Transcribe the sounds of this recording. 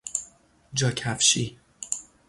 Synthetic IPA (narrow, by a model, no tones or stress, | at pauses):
d͡ʒɒːcʰæfʃi